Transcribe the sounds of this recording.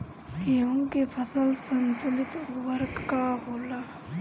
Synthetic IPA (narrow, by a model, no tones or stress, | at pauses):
iɦõkepʰəsəlsənt̪ʊlɪt̪ʋəɾkːaɦoːla